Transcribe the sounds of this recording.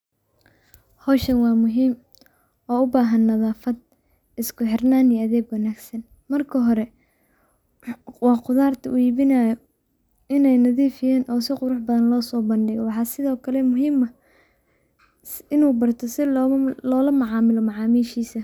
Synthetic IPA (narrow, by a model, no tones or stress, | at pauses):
hɔːʃɐnwɑːmʊɦiːm | ɔːʊbaːɦɐnːɐðaːfɐd̪̚ | ɪskʰʊħɪrnaːnijɐðɛːɡwɑnaːɡsɐn | mɐrkʰɐɦɔɾɛ | wɑːqʊðaːrt̪ʰɐʔʊiːβɪnajɔ | ɪnɛjnɐðiːfɪjaːnʔɔːsɪqʊɾʊħbɐðɐnlɔːsɔːbɐnɖɪɣɔwɑħɑːsɪðɔːkʰɐlɛmʊɦiːmɐ | ɪnuːbɐrt̪ʰɔsɪlɔːlɐmɑʕɑːmɪlɔmɑʕɑːmiːʃiːsɐ